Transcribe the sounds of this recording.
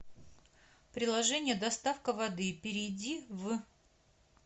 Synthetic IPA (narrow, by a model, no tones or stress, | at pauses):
pɾʲɪlˠɐʐɛnʲɪjəd̪ɐst̪afkəvɐd̪ɨpʲɪɾʲɪjdʲiv